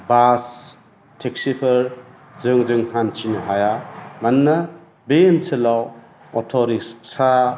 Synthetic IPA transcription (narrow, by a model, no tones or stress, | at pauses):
bas | tʰeksipʰɯɾ | zɯŋzɯŋhant͡ʃinɐɦajamɐnːɐ | benselaw | ɔ̰tʰɔɾissa